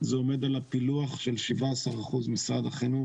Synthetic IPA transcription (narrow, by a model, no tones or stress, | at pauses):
zeome̞d̪alapiluaχʃe̞lʃivaasaʁaχuzmisʁad̪aχenu